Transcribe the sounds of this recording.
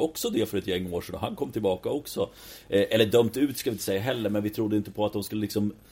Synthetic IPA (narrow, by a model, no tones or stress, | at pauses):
ɔksɔd̪ɛfœɾɛt̪jɛŋːoːʂɛnɔ̰hankʰɔmːt̪ʰɪlbɑːkaɔksɔ | ʔʔɛlːəɖœmːt̪ʉ̟ːt̪skalvɪnt̪ə̥sɛjːaɦɛlːəɾmɛnvɪt̪ʰɾʊd̪ːəɪnt̪əpʰɔat̪̚d̪ɔmskɵlːəlɪksɔm